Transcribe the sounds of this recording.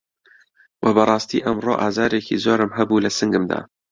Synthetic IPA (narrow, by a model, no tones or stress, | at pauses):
wʔɐbɐrˤɑːst̪ḭːʔɐmroːʔaːzaːɾekḭzoːɾɨmɦɐbuːlɐsɨŋɡɨmd̪a̰ː